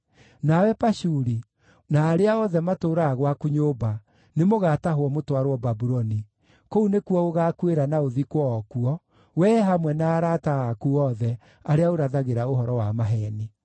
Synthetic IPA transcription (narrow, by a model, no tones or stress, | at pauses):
nawɛpaʃuɾi | naːɾeaɔðɛmatoːɾaɣwakuɲoːba | nemoɣataɦwɔmotwaɾwɔbabuɾɔni | kounekuɔoɣakweɾanaoðikwɔːkuɔ | wɛɦamwɛnaːɾataakuɔðɛ | aɾeaoɾaðaɣeɾaoɦɔɾɔwamaɦɛːni